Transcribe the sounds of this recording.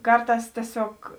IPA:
ˈkɐrˌtɑːs tʲiɛˈsʲoːk

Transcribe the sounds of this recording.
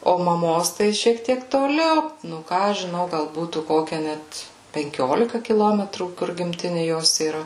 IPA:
oː mɐˈmoːs ˈtɐɪ ʃʲiɛk ˈtʲiɛk toːˈlʲɛʊ nʊ ˈkɑː ɐʃ ʒʲɪˈnɐʊ ɡɐlˠ ˈbuːtuː ˈkoːkʲɛ ˈnʲɛt pʲɛŋʲˈkʲoːlʲɪkɐ kʲɪˈlˠoːmʲɛtruː kʊr ɡʲɪmʲˈtʲɪnʲɪ ˈjoːs iːˈrɐ

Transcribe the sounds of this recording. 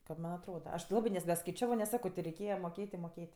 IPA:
kɐt ˈmɐnʲ ɐtˈroːdɐ ɐʃ tʲɪ ˈlˠɑːbɜ nʲɛs nʲɛskɐɪˈt͡ʃʲæːʋoː nʲɛs ˈsɑːkoː tʲɪ rʲɛɪˈkʲeːjɛ moːˈkʲeːtʲ ɪ moːˈkʲeːtʲ

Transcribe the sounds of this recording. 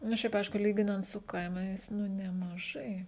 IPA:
nʊ ˈʃʲɛɪp ˈɐɪʃkʊ ˈlʲiːɡʲɪnɐnt sʊ ˈkɐɪmɐɪs nʊ nʲɛmɐˈʒɐɪ

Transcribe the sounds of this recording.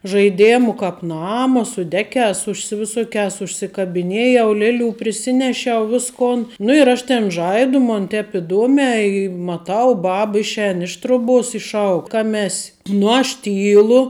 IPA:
ʒɐɪˈdʲeːmʊ ˈkɑːp ˈnɑːmɐ sʊ ˈdʲæːkʲɛːs ʊʃʲsʲɪsʲɪ ʋʲɪˈsoːkʲɛːs ʊʃʲsʲɪkɐbʲɪˈnʲeːjɛʊ ˈlʲæːˌlʲuː pʲrʲɪˈsʲɪnʲɛʃʲɛʊ ˈʋʲɪskoːn nʊ ɪr ˈɐʃ ˈtʲɛn ˈʒɐɪdʊ moːn ˈtʲɛp ɪˈduɔmʲɛː ɪ mɐˈtɐʊ ˈbɐp ˈɪʃʲˌɛːn ɪʃ ˈtroːˌbuɔs ɪ ˈʃɐʊk ˈkɑːmʲɛ ˈɛsʲ nʊ ɐʃ ˈtʲiːlˠʊ

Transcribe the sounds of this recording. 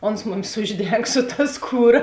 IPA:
ˈoːns ˈmʊmʲɪs ˈʊʒʲˌdʲɛŋk sʊ tɐ ˈskuːˌrɐ

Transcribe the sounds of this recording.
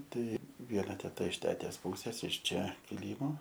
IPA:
ˈtɐɪ ˈʋʲiɛnɐ tʲɛˈtɐ ɪʃ ˈtʲæːtʲeːs ˈpuːsʲeːs ɪʃ ˈt͡ʃʲɛ kʲɪˈlʲiːmoː

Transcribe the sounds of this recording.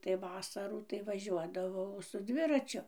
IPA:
tɐɪ ˈʋɑːsɐruː tɐɪ ʋɐˈʒʲuɔdɐʋɐʊ sʊ ˈdʲʋʲɪrɐt͡ʃʲʊ

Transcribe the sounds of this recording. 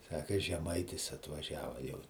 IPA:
ˈsɑːkɐ ʒʲɛˈmɐɪtʲɪs ɐtʋɐˈʒʲæːʋɐ jɛʊ

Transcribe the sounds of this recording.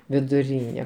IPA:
ʋʲɪdʊˈrʲiːnʲɛ

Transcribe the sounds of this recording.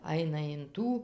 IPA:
ˈɐɪnɐ ɪn ˈtuː

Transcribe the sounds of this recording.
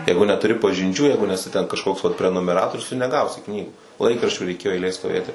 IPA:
ˈjɛɪɡʊ nʲɛtʊˈrʲɪ pɐʒʲɪnʲˈt͡ʃʲuː ˈjɛɪɡʊ nʲɛˈsʲɪ tʲɛn kɐʃˈkoːks ʋɐt pʲrʲɛnʊmʲɛˈrɑːtoːrʲʊs tʊ nʲɛˈɡɐʊsʲɪ ˈknʲiːɡuː ˈlˠɐɪkrɐʃʲt͡ʃʲuː rʲɛɪˈkʲeːjoː ɛɪˈlʲeːj stoːˈʋʲeːtʲɪ

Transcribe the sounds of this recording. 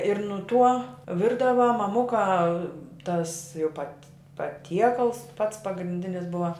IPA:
ɪr nʊ tuɔ ˈʋʲɪrdɐʋɐ mɐˈmʊkɐ tɐs jɛʊ pɐtʲ pɐˈtʲiɛkɐlˠs pɐts pɐɡrʲɪnʲˈdʲɪnʲɪs ˈbʊʋɐ

